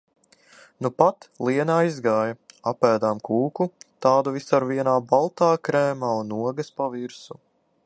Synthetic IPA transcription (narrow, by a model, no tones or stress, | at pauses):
nupat̪lˠiɛnaːizɡaːjɐapæːd̪aːmkʰuːkut̪aːd̪uvisaɾviɛnaːbalˠt̪aːkɾɛːmaːunuɔɡɐspaviɾsu